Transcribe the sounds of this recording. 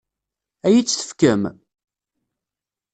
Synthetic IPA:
æjit͡sːθə̥fkəm

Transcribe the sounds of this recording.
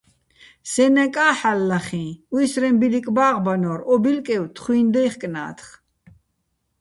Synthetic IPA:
sɛnɛkʼaːħalːaχĩːwisɾɛmbilikʼbaːʁbanɔːɾɔbilkʼɛwt̪ʰχwuind̪ɛjχkʼna̰ːt̪ʰχ

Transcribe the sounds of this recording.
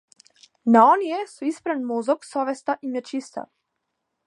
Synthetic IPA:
naɔnijɛsuispɾanmɔzɔksɔvɛst̪aʔimjɛt͡ʃist̪a̰

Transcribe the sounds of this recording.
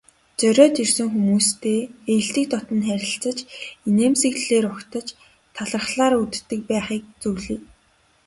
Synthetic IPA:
t͡sœɾʲɔːt̪irsɘ̆ŋxumuːst̪ʰeːej̆ɮt̪ɘ̆k̚t̪ʰɔt̪ɞ̆nt̪χæɾʲɪ̆ɬt͡sə̆t͡ɕineːmsĭɣɮeːɾʊkt̪ə̆t͡ɕ | t̪ʰːaɮə̆rχɮaːɾut̪t̪ːɘ̆k̚pæːχiːk̚t͡suɣɮiː

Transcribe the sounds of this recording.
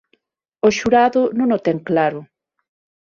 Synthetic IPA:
oʃuɾaðonõnot̪eŋklaɾo

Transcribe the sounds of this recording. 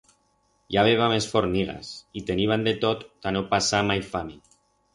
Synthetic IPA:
jaβ̞eβamesfoɾniɣa̰sit̪eniβand̪et̪ot̪ːanopasamajfami

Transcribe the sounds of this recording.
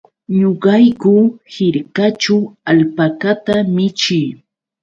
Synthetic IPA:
ɲoɢɑjkʊhɪɾkat͡ʃawalpakat̪amɪt͡ʃɪj

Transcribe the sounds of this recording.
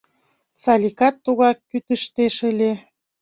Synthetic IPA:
sɑlʲikɑt̪ːuɣɑkːyt̪əʃt̪eʃəlʲe

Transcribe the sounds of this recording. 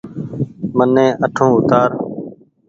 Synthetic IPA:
mənːẽːʔəʈʰõːʊt̪aːɾ

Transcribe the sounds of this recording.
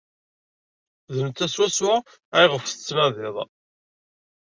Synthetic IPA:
ðəmt̪ːæswæswa | ajʁəfθə̥t͡sːmæðɪðˤ

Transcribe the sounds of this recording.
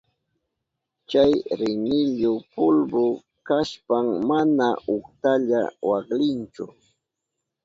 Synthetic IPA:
t͡ʃajɾɪnɪʎʊpʊlbʊ | kaʃpaŋmːanaʊkt̪aʎa̰waklɪnt͡ʃʊ̰

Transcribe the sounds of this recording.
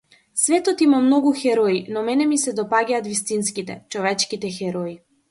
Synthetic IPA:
svɛt̪ɔt̪imamnɔɡuxɛɾɔinɔmɛnɛmisɛd̪ɔpaɡʲaːt̪vist̪inskit̪ɛ̰t͡ʃɔvɛt͡ʃkit̪ɛxɛɾɔi

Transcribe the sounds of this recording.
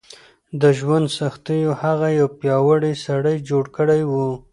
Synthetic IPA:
d̪əʒwand̪saxt̪əjohaɣajawpjɑwaɽisaɽəjd͡ʒoɽkəɽajwu

